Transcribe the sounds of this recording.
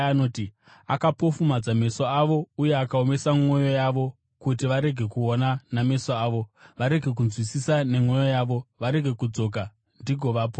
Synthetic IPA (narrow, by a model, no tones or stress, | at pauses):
ano̞ːti | akapo̞fumad͡zame̞soaʋo̞uje̞akaome̞samwo̞jo̞jaʋo̞ | kutiʋaɾe̞ɡʱe̞kuonaname̞soaːʋo̞ʋaɾe̞ɡʱe̞k̬unzwisisane̞mwo̞jojaːʋo̞ʋaɾe̞ɡʱe̞kud͡zo̞ːk̬a | ndiɡʱo̞ʋaːp̬o